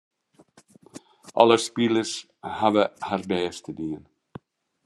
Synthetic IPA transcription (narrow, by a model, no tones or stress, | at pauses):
ʔɔ̰ləspiləs | havəhardɛːst̪ədiən